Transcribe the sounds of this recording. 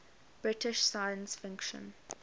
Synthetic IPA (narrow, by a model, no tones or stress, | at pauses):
b̥ɹɪtɪʃsaɪə̃nsfɪ̃ŋkʃə̰̃n